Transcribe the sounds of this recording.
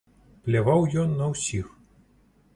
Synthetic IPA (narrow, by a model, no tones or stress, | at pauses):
plʲavawjɔnːɐwsʲix